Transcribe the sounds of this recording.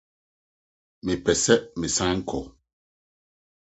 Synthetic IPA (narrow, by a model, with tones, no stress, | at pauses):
mi˨pɛ˨sɛ˦ʔmi˨sa˦ŋɛ˦ŋ̩˦kʰɔ˨